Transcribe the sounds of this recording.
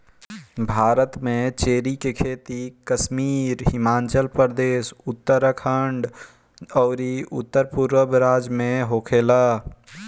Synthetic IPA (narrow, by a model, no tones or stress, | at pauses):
bʱaːɾət̪mẽt͡ʃeːɾikekʰeːt̪ikəsmiːɾhɪmaːnt͡ʃəlpəɾd̪eːsʊt̪ːəɾəkʰəɳɖ | ɔːɾiʊ̰t̪ːəɾpuɾwəbɾaːd͡ʒmẽɦokʰeːlaː